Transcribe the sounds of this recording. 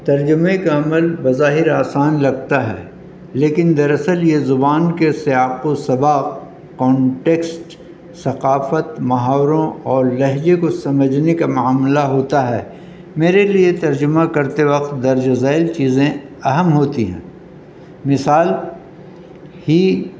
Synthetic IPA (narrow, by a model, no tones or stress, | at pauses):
t̪ɐɾd͡ʒʊmẽkaɐməlbɐzaːɦɪɾaːsaːnlɐɡ̚t̪aɦɛ̰ː | leːkɪnd̪ɐɾɐsəljezʊbaːnkesɪjaːqosɐbaːq | kːɔ̃ːɳʈeːksʈ | sɐqaːfət̪mɐɦaːwɾõɔːɾlɐɦd͡ʒekosɐməd͡ʒnekamʊaːmlaɦoːt̪aɦɛ̰ː | meːɾeliet̪ɐɾd͡ʒʊmakɐɾt̪eʋɐqt̪̚d̪ɐɾd͡ʒɐzaːɪlt͡ʃiːzẽ | ɐɦəmɦoːt̪iɦɛ̰̃ː | mɪsaːl | hi